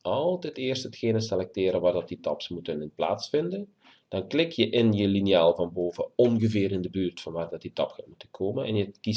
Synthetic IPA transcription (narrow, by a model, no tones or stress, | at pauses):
ɑlˠtɛtɪːrsthətxeːnəsɛlɛk̚tɪːɾəʋaːrdɑt̚ditɑpsmutənɪnpla̰ːsfɪndən | d̥ɑnklɪkjəʔɪnjəlinjaːlˠvɑnboːvəɔnɣəvɪːɾɪndəbyːrtfɑnʋaːrdɑt̚ditɑpxatmutənkʰoːmənɛnjəki